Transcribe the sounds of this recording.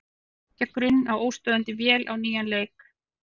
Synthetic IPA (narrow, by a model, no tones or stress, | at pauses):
cɛkːɾʏnːawoːwst̪œːðant̪ɪvjɛːlʔawniːjanleːjk